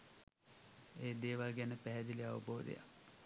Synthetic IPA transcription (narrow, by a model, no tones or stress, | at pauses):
eːd̪eːʋalɡɛnəpɛɦɛd̪ileaʋə̰boːd̪ḛja̰